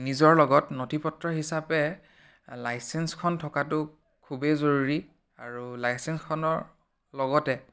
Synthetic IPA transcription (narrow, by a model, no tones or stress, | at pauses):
nizɔɹlɔɡɔtnotʰipɔtɹɔɦisapɛ | lajsɛnskʰɔntʰɔkatʊ | kʰubezoɹuɹi | aɹulajsɛnskʰɔnɔɹ | lɔɡɔtɛ